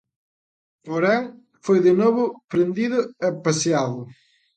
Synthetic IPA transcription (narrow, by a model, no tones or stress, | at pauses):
poɾẽŋ | fojðɪnoβʊpɾẽnd̪iðʊɛpɐsiaðʊ